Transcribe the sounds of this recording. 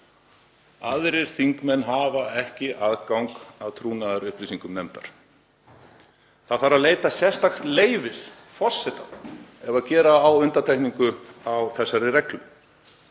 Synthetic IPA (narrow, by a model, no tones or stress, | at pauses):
aðɾɪɾ̥θiŋkmɛnːɦaːvaɛhcɪʔaðkawŋkawt̪ʰɾuːnaðaɾʏhpɾisiŋkʏmnɛmt̪a̰ɾ̥ | θaðθaɾaðleːjt̪asjɛ̥st̪axt̪leːjvɪð̥ | fɔr̥sɛt̪aðɛvaðcɛːɾaːwʏnt̪at̪ʰajkniŋkʏawθɛsːaɾɪɾɛklʏ